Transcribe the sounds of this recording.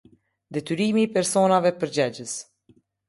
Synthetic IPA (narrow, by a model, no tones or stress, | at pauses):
d̪ɛt̪yɾimiːpɛɾsɔnavɛpəɾd͡ʑɛd͡ʑəs